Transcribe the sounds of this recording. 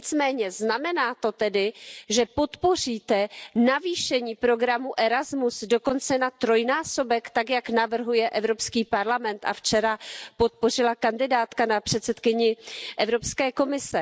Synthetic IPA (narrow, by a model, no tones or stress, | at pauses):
ɲɪt͡smɛːɲɛznamɛnaːt̪o̞t̪ɛdɪʒɛpo̞t̪po̞r̝iːt̪ɛnaviːʃɛɲiːpɾo̞ɡɾamuʔɛɾazmusdo̞ko̞nt͡sɛnat̪ɾo̞jnaːso̞bɛkt̪akjaknavr̩ɦujɛʔɛvɾo̞pskiːpaɾlamɛnt̪ʔa̰ft͡ʃɛɾapo̞t̪̚po̞r̝ɪlakandɪdaːt̪kanapr̝̥ɛt̪sɛt̪kɪɲɪʔɛvɾo̞pskɛːko̞mɪsɛ